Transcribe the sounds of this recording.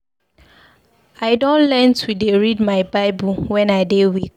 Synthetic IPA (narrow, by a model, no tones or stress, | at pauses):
aɪdõnlɛntʰudeɹid̚maɪbaɪbuwɛ̃naɪdewik